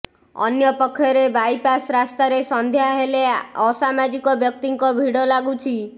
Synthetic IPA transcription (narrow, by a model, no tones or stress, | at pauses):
ɔ̰njɔpɔkʰːjɔɾebajpasɾast̪aɾesɔnd̪ʱjaɦeleɔsamad͡ʒikɔbjɔk̚t̪iŋkɔbʱiɽɔlaɡut͡ʃʰi